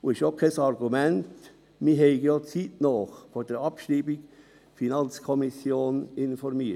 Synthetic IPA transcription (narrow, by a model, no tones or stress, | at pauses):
uɪʃjokʰɛsɑɾɡ̥umɛnt | miɦɛɪɡjoːt͡siːtnɔːχfod̥ɛɾɑpʃɾiːbik | finɑnt͡skʰɔmisjoːnɪnfɔɾmiə